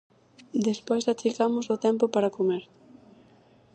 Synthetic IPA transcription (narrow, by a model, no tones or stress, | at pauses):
d̪espojsat͡ʃikamʊsʊt̪ɛmpʊpaɾɐkomeɾ